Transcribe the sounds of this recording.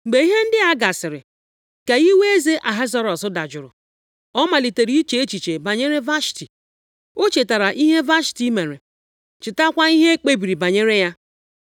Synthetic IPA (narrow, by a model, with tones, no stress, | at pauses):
ŋ͡m̩˨ɡ͡be˨i˦ɦe˦n̩˦dɪ˦a˦ɡa˨sɪ˨ɾɪ̰˨ | ka˨i˦we˦e˦ze˦ʔa˨ɦa˦zɔ˦ɾɔ˨sʊ˦da˨d͡ʒʊ˨ɾʊ̰˨ | ɔ˦ma˨li˨te˨ɾi˦i˦t͡ʃe˨e˦t͡ʃi˨t͡ʃe˨ba˨ɲe˦ɾe˦va˦ʃti˨ | o˦t͡ʃe˨ta˨ɾa˨ʔi˦ɦe˦va˦ʃti˦me˨ɾe˨ | t͡ʃɪ˨ta˦kʷa˦i˦ɦe˦e˦k͡pe˦bi˨ɾi˨ba˨ɲe˦ɾe˦ja˦